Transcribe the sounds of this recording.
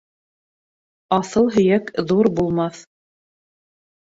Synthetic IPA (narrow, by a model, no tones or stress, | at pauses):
ɑθɤlˠɦɵ̆jækðuɾbulˠmɑθ